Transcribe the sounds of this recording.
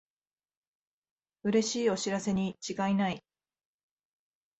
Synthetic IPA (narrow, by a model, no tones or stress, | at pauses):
ɯ̟ɾe̞ɕiːo̞ɕiɾase̞ɲ̟it͡ɕiɡainai